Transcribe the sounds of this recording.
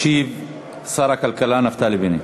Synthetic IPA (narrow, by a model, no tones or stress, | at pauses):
ʃiːv | sˤɑːɾˤɑkalkalaːnaft̪aːlibini